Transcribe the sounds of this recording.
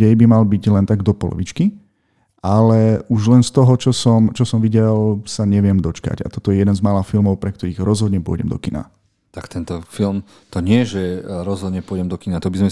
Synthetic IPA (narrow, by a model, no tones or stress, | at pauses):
ɛjbimalbiɟlɛnt̪aɡd̪ɔpɔlɔ̰ʋit͡ʃki | alɛʔuʒlɛnst̪ɔɦɔt͡ʃɔsɔmt͡ʃɔsɔmʋiɟɛlsaɲɛʋɪɛmd̪ɔt͡ʃka̰ɟa̰t̪ɔt̪ɔjɛjɛd̪ɛnzmalafilmɔʊpɾɛk̚t̪ɔɾiːɣɾɔzɦɔd̪ɲɛpʊɔ̰ɟɛmd̪ɔ̰kina̰ | t̪akt̪ɛnt̪ɔfilˠm | t̪ɔɲɪɛʒɛɾɔzɦɔd̪ɲɛpʊɔɟɛmd̪ɔkinat̪ɔbizmɛ